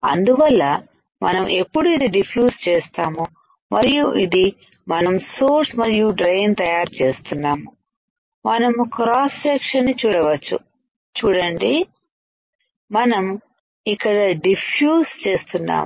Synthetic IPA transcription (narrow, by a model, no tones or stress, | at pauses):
ɐ̰nd̪uʋɐlːɐ | mɐ̰nɐmʔe̞pːuɽuid̪iɖipʰjuːst͡ʃeːst̪aːmu | mɐɾijuʔid̪i | mɐnɐmsoːɾsmɐɾijuɖɾejnt̪ɐjaːɾt͡ʃe̞ːst̪unːaːmu | mɐnɐmkɾaːssɛkʂɐnːit͡ʃuːɽɐʋɐt͡ʃːṵ | t͡ʃuːɽɐɳɖi | mɐnɐm | ikːɐɽɐɖipʰjuːst͡ʃe̞ːst̪unːa̰ːm